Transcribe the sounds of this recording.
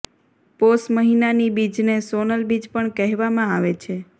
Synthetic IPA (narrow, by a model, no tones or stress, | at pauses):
posməɦinanibid͡ʒnesonəlbid͡ʒpəɳkɛɦʋamãaʋet͡ʃʰe